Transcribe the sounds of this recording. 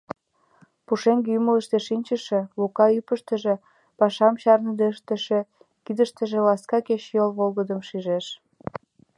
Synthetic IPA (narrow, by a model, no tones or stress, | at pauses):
puʃeŋɡymələʃt̪eʃinʲt͡ɕəʃĕlukɑypəʃt̪ə̆ʒe | pɑʃɑmɕɑrnəd̪eəʃt̪ə̆ʃe | kid̪əʃt̪ə̆ʒĕlɑskɑkeɕjolβolɣəd̪əmʃiʒeʃ